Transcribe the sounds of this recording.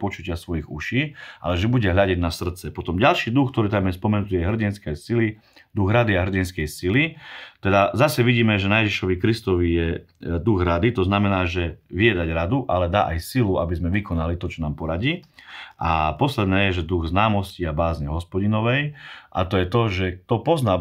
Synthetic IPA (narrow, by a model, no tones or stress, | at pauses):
pɔt͡ʃucɪasʋɔjiɣṵʃiːʔa̰lɛʒɛbuɟɛɦʎaɟɛɟnasr̩t̪t͡sɛpɔt̪ɔmɟalʃiːd̪uxkt̪ɔɾiːt̪̬amjɛspɔmɛnut̪iːjɛɦr̩ɟinskɛjsili | d̪uɣɾad̪iaɦr̩ɟinskɛjsilit̪ɛd̪azasɛʋiɟiːmɛʒɛnajɛʒiʃɔʋikɾist̪ɔʋijɛ | d̪uɣɾad̪it̪ɔznamɛnaːʒɛʋiɛd̪aɟɾad̪uʔalɛd̪a̰ːʔajsiluabizmɛʋikɔnalit̪ɔt͡ʃɔnaːmpɔɾaɟiːʔa̰pɔslɛd̪nɛːjɛʒɛd̪uɣznaːmɔsciabaːzɲɛɦɔspɔɟinɔʋɛjʔa̰t̪ɔjɛt̪ɔʒɛt̪ɔpɔznaː